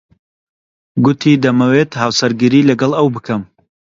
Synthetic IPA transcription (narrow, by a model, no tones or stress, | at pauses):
ɡʊt̪ʰid̪ɐmɐweːt̪haːwsɐɾɡiɾiːlɐɡɐlˠɐwbɨkʰɐm